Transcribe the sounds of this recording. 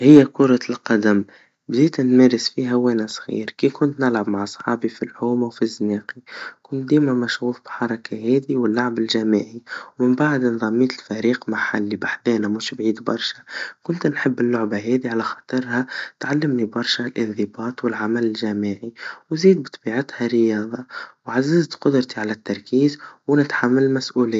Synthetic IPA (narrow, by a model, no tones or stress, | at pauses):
hɪjːækʊɾˤɑlqɑd̪am | bd̪iːt̪ʔænmɛːɾɪsfiːɦæwɛːnasˤɣḭːɾkiːkʊnt̪nɪlʕabmaʕsˤħɑ̰ːbifilʕuːmawfizːneːqikʊnt̪̚d̪iːmæmæʃɣuːfbħɑɾˤɑkʰaɦɛːd̪iwɪlːaʕabɪlʒæmiːʕiwmɪmbaʕd̪nðˤɑmːiːt̪ɪlfæɾiːqmaħa̰lːibaħd̪ɛːnamuʃbʕiːd̪bɑ̰ɾˤʃakʊnt̪nħɪbːɪlːʊʕbaɦeːd̪iʕalaxɑ̥ːt̪ˤɨɾˤhat̪ʕalːɪmnibɑɾˤʃalʔɪnðɨbɑːt̪wɪlʕamalɪlʒaːmɪʕiwziːd̪̚bɨt̪ˤɑbiːʕat̪haɾɪjɑːðˤɑwʕazːɪzt̪qʊd̪ɾt̪iʕalat̪ːɑɾˤkiːzwnɪt̪ħamːalmasʔuːlɪ